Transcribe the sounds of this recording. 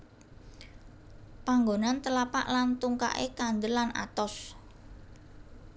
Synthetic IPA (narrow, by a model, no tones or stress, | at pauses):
paŋɡonant̪əlapa̰ʔlant̪uŋka̰ʔḛkand̪əlana̰t̪ɔs